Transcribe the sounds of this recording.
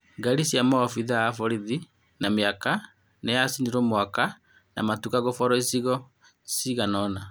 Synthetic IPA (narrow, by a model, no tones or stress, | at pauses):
ŋɡaɾisjamɔɔfiðaafɔɾiði | nameaka | nejasiniɾomwaka | na̰matukaɣofɔɾɔisiɣɔ | siɣanɔna